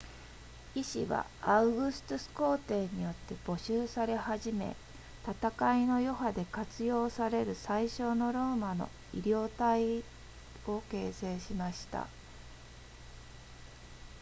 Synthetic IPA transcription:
iɕḭβa̰ | aɯ̟ɡɯ̟sɨ̥t̪osɨ̥ko̞ːt̪e̞ːɲ̟ijo̞t̪ːe̞b̥o̞ɕɨːsaɾe̞haʑime̞̰ | t̪at̪akaino̞jo̞ɦad̪e̞kat͡sɨjo̞ːsaɾe̞ɾɯ̟saiɕo̞ːno̞ɾo̞ːmano̞̰ | iɾʲjo̞ːt̪ai | o̞ke̞ːse̞ːɕimaɕi̥t̪a̰

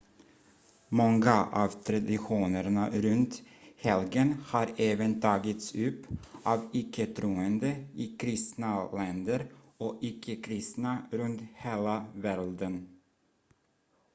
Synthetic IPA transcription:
mɔŋɡaʔɑ̰ːvt̪ʰɾad̪ɪɧuːnəɾɳaɾɵnt̪hɛlɡənhɑːɾeːvənt̪ʰɑːɡɪt̪sʉpʔɑːvɪkʰːət̪ʰɾuːənd̪əɪkʰɾɪst̪nalɛnd̪əɾ | oːʔɪkʰːəkʰɾɪst̪naɾɵnt̪heːlavæɾd̪ən

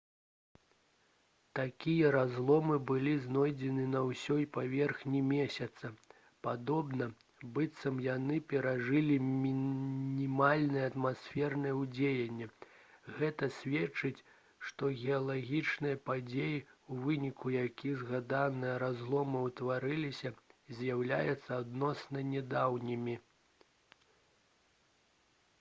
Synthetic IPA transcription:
t̪akʲijɐɾazlˠɔmɨbɨlʲiznɔjd͡zʲɛnɨnɐwsʲɔjpavʲɛrxnʲimʲesʲɐt̪sɐ | pad̪ɔbnɐ | bɨt̪sɐmjanɨpʲɛɾaʐɨlʲimʲinʲimalʲnɨjɐɐt̪masʲfʲɛrnɨjɛwd͡zʲejɐnʲːɛɣɛt̪ɐsʲvʲɛt͡ʂɨt͡sʲ | ʂt̪ɔɣʲɛɐlˠaɣʲit͡ʂnɨjɐpad͡zʲejiuvɨnʲikujakʲizɣad̪anɨjɐɾazlˠɔmɨwt̪vaɾɨlʲisʲɐzʲjawlʲa̰jɛt̪sːɐad̪nɔsnɐnʲɛd̪awnʲimʲi

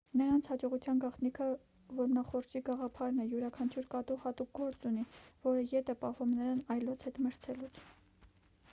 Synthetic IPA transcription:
nəɾɑnt͡sʰhɑd͡ʒɔʁut͡sʰjɑnɡɑχt̪nikʰə | vɔɾmnɑχɔɾt͡ʃʰiɡɑʁɑpʰɑɾnɛjuɾɑkʰɑnt͡ʃʰuɾkɑt̪uhɑt̪uk̚ɡɔɾt͡sunivɔɾəjɛt̪ʰəpɑɦvumnəɾɑnɑjlɔt͡sʰhɛt̪məɾt͡sʰɛlut͡sʰ

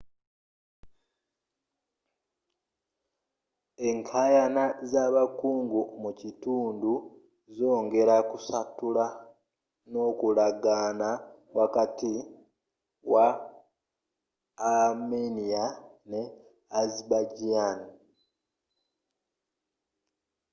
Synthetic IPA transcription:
e̞ŋkʰajanazaːβakuːŋɡumucituːndu | zo̞ːŋɡe̞ɾakusatula | no̞ːkulaɡaːna | wakati | wa | meniane̞ | azibaɟiani

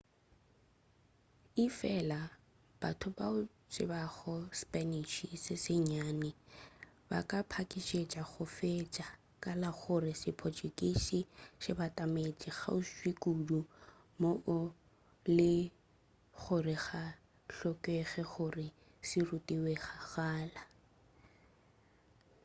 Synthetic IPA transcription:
ifɛla | b̥a̰tʰʊbaʊ | t͡ʃʼɪbaɣɔspʼɛniʃisɪsɪɲaːnɪ | ba̰kʼapʰakʼiʃet͡ʃʼaɣʊfet͡ʃʼa | kʼalaχʊrɪsɪpʰɔt͡ʃʼukʼiʃiʃɪbatʼamet͡ʃʼiɣa̰ʊʃikʼudu | moʔʊ | lɪ | χʊrɪχa | ɬɔkʼeɣɛχʊrɪ | sirutʼiweχaɣaːla

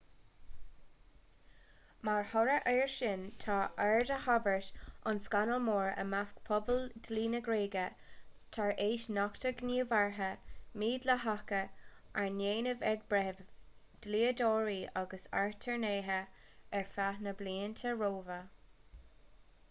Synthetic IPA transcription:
maɹhɔɾəʔeːɹʃɪnt̪ʰaːʔɛɹdəhavəɹʃʔanskanəlmoːɹə̰maskpʰɔbəld̪̥liːnəɡɾeːɡə | t̪ʰaɹeːʃnɔkt̪ʰəɡniːvaɹɦəmiːd̪ləɦakəʔaɹneːnəvɛɡ̚bɾɛv | d̪̥liːədɔːɹiːʔaɡəsa̰ɹt̪ʰəɹneːɦəɛɹfahnəbliːənt̪ʰəɹoːvə

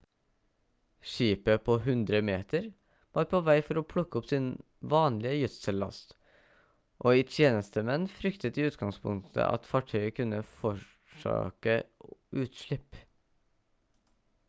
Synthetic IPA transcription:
ʃiːpəpʰoːɦʉnd̪ɾəmeːt̪əɾ | ʋɑːɾpʰoːʋæɪfɔɾoːpʰlʊkːəɔpsiːn | ʋɑːnlɪəjʉt̪səlɑ̰st̪ | ʔoːɪt̪ʰjeːnəst̪əmɛnfɾʏkt̪ət̪ɪʉːt̪ɡɑŋspʰʊ̰ŋt̪ʰə̰ʔɑ̰t̪fɑʈʰœʏəkʰʉnəfɔ | ʂø̰ːkəʔʉːt̪ʃɭɪp

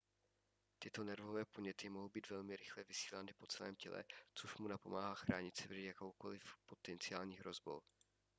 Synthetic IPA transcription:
t̪ɪt̪o̞nɛɾvovɛːpoɲɛt̪ɪmoɦowbiːt̪vɛlmɪɾɪxlɛvɪsi̥ːlanɪpo̞t͡sɛlɛ̰ːmcɛlɛ̰t͡soʃmunapo̞maːɦaːxɾaːɲɪt̪t͡sɪvrjakowko̞lɪfpo̞t̪ɛnt͡sɪaːlɲiːɦɾo̞zbo̞̰w

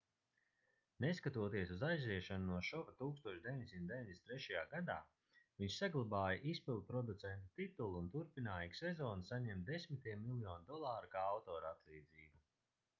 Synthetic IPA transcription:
neskat̪uɔt̪iɛsuzajzviɛʃanunuɔʃɔvat̪uːkst̪uɔʃd̪eviɲʲdʲesʲimt̪d̪eiɲʲd̪ʲest̪ɾɛʃajaːɡad̪aː | viɲʃsaɡlˠabaːjaʔispilˠd̪̚pɾɔd̪ut̪sɛnt̪u̥t̪it̪ulˠunt̪uɾpinaːjiɡsezɔːnsaɲɛmt̪̚d̪esmit̪iɛmːilˠjɔːnʲd̪ɔlˠaːɾukaːawt̪ɔːɾat̪lˠiːd̪ziːbu

